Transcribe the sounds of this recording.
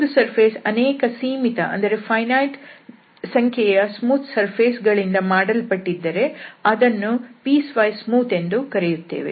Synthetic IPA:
t̪sɐɾpʰeːsɐneːkɐsiːmit̪ɐʔɐ̰nd̪ɐɾe̞pʰɐjnaːʈ | sɐŋkʰjɛjɐsmuːt̪ʰsɐɾpʰeːsɡɐɭind̪ɐmaːɽɐlpɐʈːid̪ːɐɾe̞ɐd̪ɐnːupiːsʋɐjsmuːt̪e̞nd̪ukɐɾejut̪ːe̞̰ːʋḛ

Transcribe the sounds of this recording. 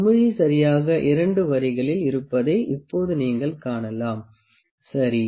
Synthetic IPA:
mɪɻisɐɾɪjaːɣɐʔɪɾɐɳɖɯʋɐɾɪɣɐɭɪlɪɾɯpːɐðɐɪʔɪpːoːðɯniːŋɡɐɭkaːɳɐlaːm | sɐɾi

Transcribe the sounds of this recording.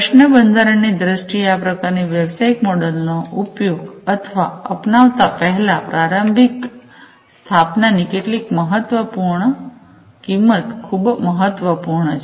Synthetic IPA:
pəʃnəbənd̪ʱaɾəɳnid̪ɾəsʈiapɾəkaɾniʋjəʋsaikmɔɽəlnoʔupjoɡət̪ʰʋaəpnaʋt̪apəɦɛlapɾaɾəmbʱik | st̪ʰapnanikeʈlikməɦət̪ʋəpuɾɳ | kimːət̪kʰubməɦət̪ʋəpuɾɳət͡ʃʰ

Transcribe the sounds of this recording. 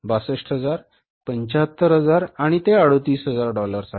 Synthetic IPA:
basəʂʈɦəd͡zaɾ | pəɲt͡ɕaɦət̪ːəɾɦəd͡zaɾaɽ̃it̪eaɽot̪iːsɦəd͡zaɾɖɔləɾsa

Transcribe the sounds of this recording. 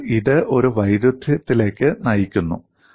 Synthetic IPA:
iðɨʔo̞ɾuʋɐjɾud̪ʱːit̪ːile̞ːkʲːɨnɐjikʲːunːṵ

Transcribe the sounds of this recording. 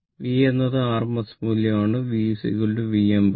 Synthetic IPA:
ʋiːjenːɐðɨaːrmɐsmuljɐmaːɳɨʋiːsḭɣɐɭɨleʋijɐmb

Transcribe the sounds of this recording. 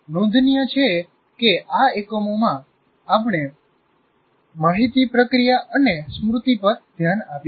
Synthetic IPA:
nõnd̪ʱnijət͡ʃʰe | keaekomomã | apɳ̃e | maɦit̪ipɾəkɾijaʔənesmɾut̪ipəɾd̪ʱjanapj

